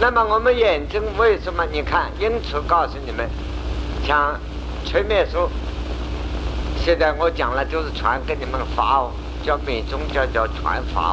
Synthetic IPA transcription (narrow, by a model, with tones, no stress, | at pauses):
na˥˩mɐ˨wɔ˨˩mə˦njɛ˨˩nt͡ɕi˥ŋwe˥˩ɪʂə˧˥mə˧ni˨˩kʰa˥˩ni˥nt͡sʰɹ̩˧˦kɑ˥˧ʊsu˧ni˨˩mə˦n | ɕʰjɑ˧˥ŋ | t͡sʰwe˧˥ɪmjɛ˥˩ʂu˥ | ɕjɛ˥˧nt͡sa˥˩ɪwɔ˧˥t͡ɕjɑ˨˩ŋlə˦t͡ɕjo˥˧ʊʂɻ̩˥˩ʈ͡ʂʰwa˧˥nke˧˥ɪni˨˩mə˧˦nfa̰˧˥u˨˩ | t͡ɕjɑ˥˩ʊme˨˩t͡sʊ˥ŋt͡ɕjʊt͡ɕjɑ˥˩ʊʈ͡ʂʰwa̰˧˥nfa̰˧˥